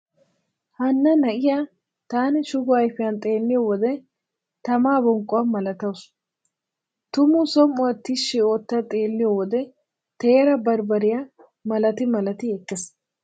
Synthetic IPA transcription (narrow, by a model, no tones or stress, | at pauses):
hɐnːɐnɐʔɪja | t̪aːnɪʃʊɡʊɐjfɪjɐnt̪ʼe̞ːlːɪjɔwɔd̪ɛ | t̪ɐmaːbɔŋkʼːʊwɐmɐlɐt̪ɐws | t̪ʊmʊsɔmʊɐt̪ːɪʃɪoːt̪ːɐt̪ʼe̞ːlːɪjɔwɔd̪ɛ | t̪e̞ːɾɐbɐɾbɐɾɪja | mɐlɐt̪ɪmɐlɐt̪ɪɛkːɛs